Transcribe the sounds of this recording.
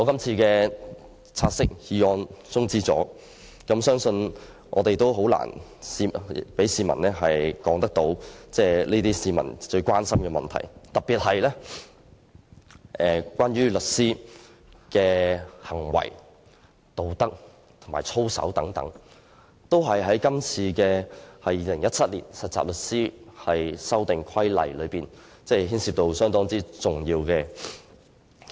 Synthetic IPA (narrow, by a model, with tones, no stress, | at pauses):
ŋɔː˨˧kɐ˥mt͡sʰiː˧kɛː˧ | t͡sʰaː˧t̚sɪ˥k̚jiː˨˧ɔː˧nt͡sʊ˥ŋt͡siː˥t͡sɔ̰ː˨˥ | kɐ˨˥msœː˥ŋsɵ˧n | ʔɔ̰ː˨˧t̪e˨jt̪o˥wɦo˨˥wla̰ː˨˩nsiː˧pe˨˥jsiː˧mɐ̰˨˩nlɛː˥ɦɐ˨jkɔː˨˥ŋt̪ɐ˥k̚t̪o˨˧˥wt͡sɛː˥liː˥t̪iː˥siː˧mɐ̰˨˩nt͡ʃɵ˧ɥkwaː˥nsɐ˥mkɛː˧mɐ̰˨nt̪ʰɐ̰˨˩jt̪ɐ˨˩t̚piː˨˩t̚ɦɐ˨jlɛː˥ | ʔɛː˨kwaː˥nɥyː˥lɵ˨t̚siː˥ | kɛː˧hɐ˨˩ŋwɐ̰˨˩j | t̪o˨˧wt̪ɐ˥k̚ | t̪ʰʊ˨˩maː˨˩t͡sʰo˥wsɐ̰˨˥wt̪ɐ˨˥ŋt̪ɐ̰˨˥ŋ | t̪o˥wɦɐ˨jɦɐ˨˥jkɐ˥mt͡sʰiː˧kɛː˧hɐ˨jːiː˨lɪ˨˩ŋjɐ˥t̚t͡sʰɐ˥t̚lḭː˨˩nsɐ˨t̚t͡sːa̰ː˨p̚lɵ˨t̚siː˥hɐ˨jsɐ˥wt̪ɪ˨ŋkʷʰɐ˥jlɐ̰˨jlɵ˨˧piː˨˩n | t͡sɛː˥˩ɦiː˥nsiː˨˧p̚t̪o˧wsœː˥ŋt̪ɔː˥ŋt͡siː˥t͡sʊ˨ŋjiː˧wkɛː˧